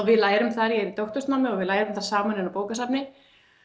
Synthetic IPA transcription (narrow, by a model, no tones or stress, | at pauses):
vɪðlaːjɾʏmθaɾjɛɾit̪owht̪ʏst̪mawmːɪɔɣvɪðlaːjɾʏmθaɾ̥saːmanɪnapoːwkasapnɪ